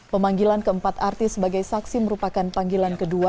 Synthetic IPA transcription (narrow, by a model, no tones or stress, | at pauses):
pəmaŋɡilankəəmpat̪art̪ɪsəbaɡajsaksiməɾupakanpaŋɡilankədua